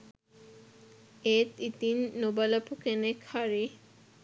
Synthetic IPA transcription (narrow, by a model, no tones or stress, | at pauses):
et̪it̪inːobalapukenekʰaɾi